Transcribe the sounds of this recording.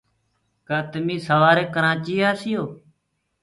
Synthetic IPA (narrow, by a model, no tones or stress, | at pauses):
kat̪miːsəʋaːɾeːkəɾãːt͡ʃiːaːsɪjoː